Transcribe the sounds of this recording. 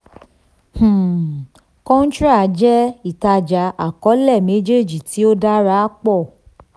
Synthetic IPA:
h̩˨ | kɔ̃˦n̩˦t͡ʃɾa˦˨˦d͡ʒɛ˦i˦˨ta˧d͡ʒa˨˦a˨kɔ˨˦lɛ˦˨me˨˦d͡ʒe˦˨d͡ʒi˨ti˨˦o˦da˦ɾa˦k͡pɔ˦˨

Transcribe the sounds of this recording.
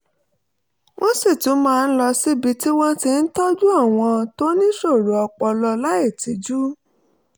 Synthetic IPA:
wʔõ˦si˦˨tũ˨˦mãː˧n̩˦lɔ˧si˦bi˨˦ti˦w̃ɔ̃˦ti˧n̩˦tɔ˦d͡ʒu˦a˦˨w̃ɔ̃˧to˦nĩ˦ʃo˦˨ɾu˨˦ɔ˧k͡pɔ˧lɔ˧la˦e˦˨ti˨˦d͡ʒu˦

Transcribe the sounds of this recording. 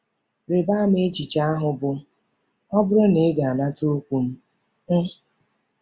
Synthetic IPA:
ɾe˨baː˦m˦e˦d͡ʒi˨t͡ʃa˦a˦ɦʊ˨bʊ˦ | ɔ˦bʊ˦ɾʊ˦ne˨˦ɡa˨a˨na˦to˦kʷu˨m̩˦ | ŋ̩˦

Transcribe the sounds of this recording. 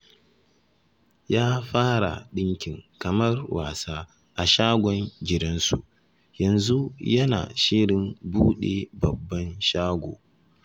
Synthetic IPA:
jaː˦ɸaː˦ɽa̰˨ɗɪ˦ŋkʲɪ˨ŋkɐ˨mɐ˦rwaː˨saː˦ | ʔa˨ʃaː˦ɡʷɔ˦nd͡ʒɪ˨dɐ˦nsu˨ʔ | jɐ˨nzu˦jɐ˦na̰ː˨ʃɪ˦ɽɪ˨mbuː˦ɗe˨bɐ˨bːɐ˦nʃaː˦ɡʷo̰ː˨

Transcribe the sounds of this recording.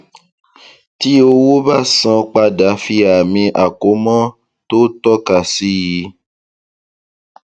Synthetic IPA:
ti˦o˧wo˦ba˦˨sã˧k͡pa˧da˨˦fi˧a˨mĩ˧ʔa˨ko˨˦mɔ̃˦ | to˦tɔ˦ka˨si˦ji˨˦

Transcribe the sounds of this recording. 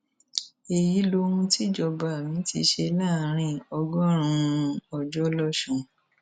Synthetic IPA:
e˨ji˨˦lo˧ɾũ˧ti˦d͡ʒɔ˧˨ba˨mĩ˨˦tḭ˧ʃe˧la˦˨˦ɾ̃ĩ˦˨ɔ˧ɡɔ˦˨ɾ̃ũ˧ɔ˧d͡ʒɔ˦lɔ˦ʃũ˨

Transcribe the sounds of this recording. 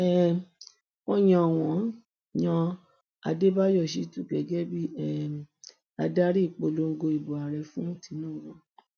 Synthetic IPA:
ɛ˦ | kɔ̃˦j̃ɔ̃˧˨w̃ɔ̃˨˦ | jã˧ | a̰˧de˦ba˦jɔ˦˨ʃi˧˦tu˦˨kɛ˨˦ɡɛ˦bi˦ɛ˦˨ | a˧da˦ɾi˦˨k͡po˧˨lo˧˦ŋ̩˦ɡo˧i˨bo˨a˨ɾɛ˨fũ˦˨ti˨˦nũː˦˨˦ɡɔ̃˦˨

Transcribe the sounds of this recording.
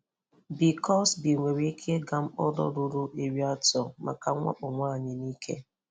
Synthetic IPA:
bi˨kɔ˦sbi˨ŋʷe˨ɾi˦kʰe˦ɡa˦m̩˦ɔ˦dɔ̰˦ɾʊ˦ɾʊ˦ʔe˨ɾi˦a˦tɔ˨ma̰˨ka˨˦ŋʷa̰˦k͡pʊ˨ŋʷaː˦˨ɲɪ˨ni˦kʰḛ˦

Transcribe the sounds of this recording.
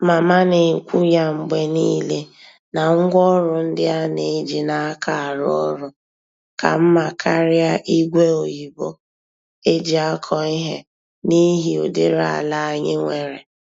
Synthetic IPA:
ma˨ma˦nɪ˨ŋ̩˨kʷu˦ja˦ŋ͡m̩˨ɡ͡be˦ni˦le˦ | na˨ŋ̩˦ɡʷɔ˦ɾʊ˨n̩˦dɪ˦a˦ne˨˦d͡ʒi˨na˦a˦kʰa˦˨a˨ɾɔ˦ɾʊ˦ | ka̰˨m̩˦ma˨kʰa˦ɾɪ˦a˦ʔi˦ɡʷe˦o˨ji˨bo˦ | e˦d͡ʒi˨a˦kʰɔ˨i˦ɦe˦ | ni˦ɦi˨o˨de˦ɾa̰˨a˨la˦a˦ɲɪ˦ŋʷe˨ɾe˨

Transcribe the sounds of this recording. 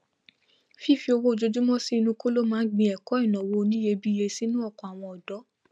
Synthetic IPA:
fi˦˨fi˧o˧wo˦˧d͡ʒo˧d͡ʒu˦mɔ̃˦si˦i˧nũ˧ko˦lo˦mãː˦ɡ͡bĩ˧ɛ˨kɔ˨˦ɛ˦˨nã˨wo˧˦˧nĩ˦je˧bi˦je˧si˦nũ˦ɔ˦˨kɔ̃˨a˨w̃ɔ̃˧ɔ˨dɔ˨˦

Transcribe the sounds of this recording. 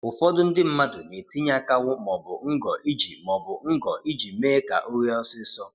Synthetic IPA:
ʊ˨fɔ˦dʊ˦n̩˦dɪ˦m̩˦ma˦dʊ˨ne˨ti˦ɲa˦ka˦wʊ˦˨mɔ˨bʊ̰˨ŋ̩˦ɡɔ˨ʔi˦d͡ʒi˨mɔ˨bʊ˨ŋ̩˦ɡɔ˨ʔi˦d͡ʒi˨meː˦ka̰˨ʔo˦ɾi˦ɔ˦sɪ˦sɔ˦

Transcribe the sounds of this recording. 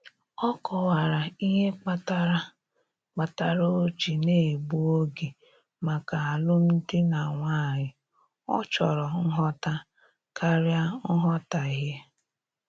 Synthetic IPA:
ɔ˦kɔ˨wa˨ɾa˨i˦ɦe˦k͡pa˦ta˦ɾa˦ | k͡pa˨ta˨ɾo˦o˦t͡ʃi˨ne˦˨ɡ͡bu˦o˦ɡe˨ | ma˨ka˨a˨lʊ˦n̩˦dɪ˦na˨ŋʷa˦˨ɲɪ˨ | ɔ̰˦t͡ʃɔ˨ɾɔ˨ŋ̩˦ɦɔ˦ta˦ | ka˦ɾja˦ŋ̩˦ɦɔ˦ta˨i˨ɦe˦

